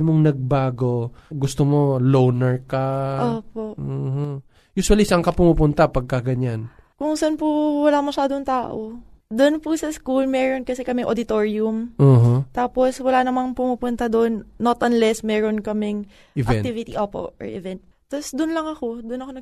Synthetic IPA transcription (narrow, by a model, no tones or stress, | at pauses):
moŋnɐɡ̚baːɡo̞ɡʊst̪omo̞lownɛɹkaoːpoʔoho | juːswɐlisɐŋkɐpʊmupʊnt̪apɐɡ̚kɐɡɐɲan | kʊŋsɐnpʊwɐlamɐʃaːd̪oŋt̪aːʔo | d̪onpusɐskulmɛːɾonkɐsɛkɐmɛʔod̪ɪt̪oːɹɪʊmʔoɦot̪aːpo̞swɐlanɐmaŋpʊmupʊnt̪ɐd̪oʔnːot̪ʔɐnlɛsmɛːɾonkɐmɛŋ | ɪvɐɛk̪ivɪt̪iʔoːpo̰ʔɔ̰ɹʔɪvɛnt̪̚ːɐsd̪ʊnlɐŋɐko̞d̪ʊnɐkonɐ